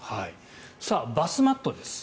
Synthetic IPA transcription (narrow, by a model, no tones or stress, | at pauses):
hai | saːbasɨmat̪ːo̞d̪e̞sɨ̥